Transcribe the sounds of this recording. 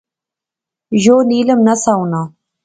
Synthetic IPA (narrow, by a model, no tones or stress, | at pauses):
ʒoːniləmnasawna